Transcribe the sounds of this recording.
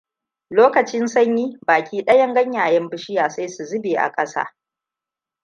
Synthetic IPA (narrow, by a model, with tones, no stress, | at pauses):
loː˦kɐ˨t͡ʃɪ˦nsɐ˦ɲjiː˦baː˨kʲʰiː˦ɗɐ˦jɐ˦ŋɡɐ˦ɲjaː˨jɐ˦mbɪ˦ʃɪ˦jaː˨sa˦jsu˨zɪ˦beː˨ʔa̰˨kʼɐ˦sa̰ː˦